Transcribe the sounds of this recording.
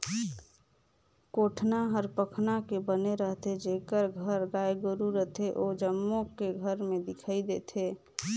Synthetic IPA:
koːʈʰnaɦəɾpəkʰnakebəneɾəɦt̪ʰed͡ʒeːkəɾɡʱəɾɡaːjɡʊɾuɾəɦt̪ʰeʔod͡ʒəmːõkeɡʱəɾmẽd̪ɪkʰaid̪et̪ʰeː

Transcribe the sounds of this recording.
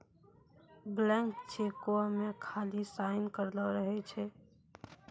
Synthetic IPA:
blɛ̃ŋkt͡ʃʰekoamekʰalisaɪnkəɾləɾəɦɛt͡ʃʰɛ

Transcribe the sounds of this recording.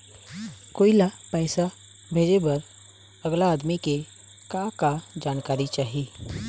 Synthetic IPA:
koːilapɛːsa | bʱeːd͡ʒebɐɾ | əɡlaːd̪mike | kakad͡ʒaːnkaːɾit͡ʃaːɦi

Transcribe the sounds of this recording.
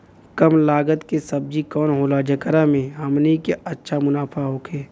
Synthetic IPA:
kəmlaːɡət̪kesɐb̚d͡ʒikɔːnɦoːlad͡ʒəkəɾamẽɦəmnikeɐtːʃʰamʊnaːfʰaɦoːkʰeː

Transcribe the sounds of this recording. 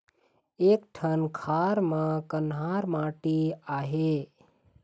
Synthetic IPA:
eːkʈʰənkʰaɾmãkənɦaːɾmãːʈiaːɦe

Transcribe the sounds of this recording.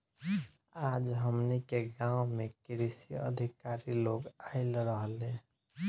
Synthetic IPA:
ad͡ʒɦəmnikeɡãũmekiɾisiə̰d̪ʱikaɾiloɡaɪlɾəɦəle

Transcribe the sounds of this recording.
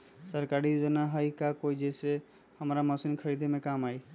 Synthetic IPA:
səɾkaɾijud͡ʒənaɦəikakoid͡ʒɛse | həmɾaməsinkʰəɾid̪ʱemẽkamai

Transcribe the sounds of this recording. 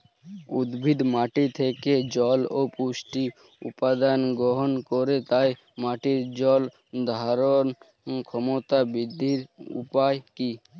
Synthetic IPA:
ʊd̪bʱid̪maːʈit̪ʰeked͡ʒɔːlopusʈi | ʊ̰pad̪anɡɔɦɔnkɔɾet̪aj | maːʈiɾd͡ʒɔl | d̪ʱaaɾɔn | kʰɔmot̪abɪd̪ʱːiɾṵpajki

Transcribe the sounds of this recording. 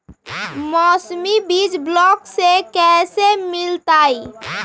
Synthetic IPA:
mɔsmibid͡ʒblɔksekɛsemɪlt̪ai

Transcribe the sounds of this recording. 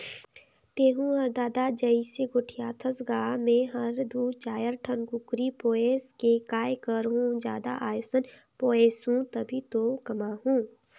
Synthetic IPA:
t̪eːɦũɐɾd̪aːd̪ad͡ʒɐiseɡʊʈʰijaːt̪ʰəsɡaːmɛ̃ːɦɐɾd̪uːt͡ʃaːjəɾʈʰənɡʊkɾipoːeːskekaːjkəɾɦũd͡ʒjaːd̪a̰ʔaːjosən | poːeːsɦũt̪ɐbʱit̪okɐmaɦũː

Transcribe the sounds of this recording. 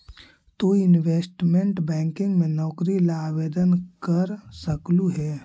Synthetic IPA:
t̪oɪnʋeːsʈmẽɳʈbɛ̃ːŋkɪ̃ŋɡmẽnɔːkɾilaːʋeːd̪ənkəɾsəkluɦɛː

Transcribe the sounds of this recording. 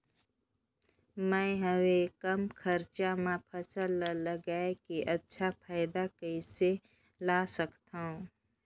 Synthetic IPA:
mɛ̃ɦəwekəmkʰəɾt͡ʃamãpʰəsəllːəɡaːekeʔɐtːʃʰapʰaːɪd̪akəise | laːsəkt̪aɦũ

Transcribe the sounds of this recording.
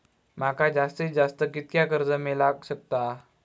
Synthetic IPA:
m̤akad͡ʑast̪ed͡zast̪əkit̪̚kjakəɾd͡zəmelaɕək̚t̪a

